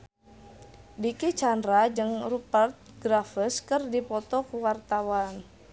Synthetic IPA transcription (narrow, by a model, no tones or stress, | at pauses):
dikit͡ʃandɾad͡ʒɨŋrupart̪̚ɡɾafəskɨrdipɔt̪ɔkuwart̪awan